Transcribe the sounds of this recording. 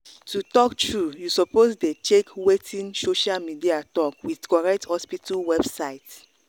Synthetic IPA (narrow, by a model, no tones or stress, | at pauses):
tutɔktɹujusɔposdet͡ʃekwetʰĩnsoʃalmidiatɔkwiðkɔɹɛk̚thɔspitalwɛbsaɪt